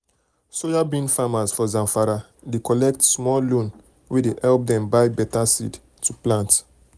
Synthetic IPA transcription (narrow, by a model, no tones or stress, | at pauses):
sojabĩnfamazfɔzãmfaɾa | dekɔlɛk̚tsmɔllõn | wedeʔɛlp̚dɛ̃mbaɪbɛtasḭd | tuplãnt